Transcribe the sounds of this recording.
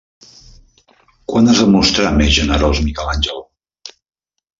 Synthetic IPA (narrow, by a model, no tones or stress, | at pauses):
kwanazðəmust̪ɾamezʒənəɾolˠzmikɛlanʲd͡ʒəlˠ